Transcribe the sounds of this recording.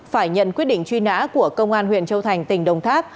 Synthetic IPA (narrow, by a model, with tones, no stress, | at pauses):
faː˧˩jɲə̰˧˨nkwi˦˥ət̚ɗḭ̈˧˨ŋ̟t͡ɕwi˧na̰ː˧˥ku˧˩əkə˧wŋ͡mʔaː˧nhwḭ˧˨ənt͡ɕə˧wt̪ʰa˨˩jŋ̟t̪ï˨˩ŋ̟ɗə˨˩wŋ͡mt̪ʰaː˦˥p̚